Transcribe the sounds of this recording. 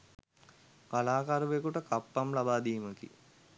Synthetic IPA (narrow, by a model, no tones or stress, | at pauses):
kalaːkaɾuʋekuʈəkapːamlabaːd̪iːməkḭ